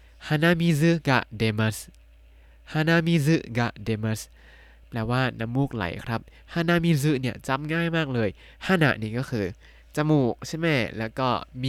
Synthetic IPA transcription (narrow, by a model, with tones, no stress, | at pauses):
hʰa˧˥na˧˥˨miː˧˥˩sɯ˦˥ɡa̰˧˩deː˧ma˦˥s | haː˧˩na˧˥˨miː˧˥˩sɯ˦˥ɡa̰˧˩deː˧ma˦˥s | plɛː˧waː˥˩na˧˥mːuː˥˩k̚la̰˨˦jkʰɾa˦˥p̚ | haː˧˥˨na˧˥miː˧˥˩s̬ɯ˦˥ni˥˩ɐt͡ɕa˧˥˩mŋaː˥˩jmaː˥˩k̚lɤː˧j | hʰa˧˥na̰˨˩ʔniː˧˩kɔː˥˩kʰɯː˧˩ | t͡ɕa˧muː˨˩k̚t͡ɕʰa˥˩jmɛ˦˥˩lɛː˦˥wkɔː˥˩mi˧